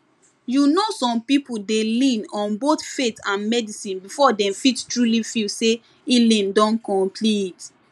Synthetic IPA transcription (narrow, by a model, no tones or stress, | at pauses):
junosɔ̃mpipuldelĩnɔ̃nboθfetãnmɛdisĩnbifɔdɛ̃mfittɹulifilse | ilĩndɔ̃nkɔ̃mpʰlit